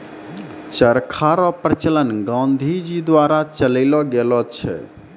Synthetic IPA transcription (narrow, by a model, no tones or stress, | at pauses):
t͡ʃəɾkʰaɾɔpɾət͡ʃələnɡãnd̪ʱid͡ʒid̪waɾat͡ʃəlɛlɔɡelɔt͡ʃʰɛ̰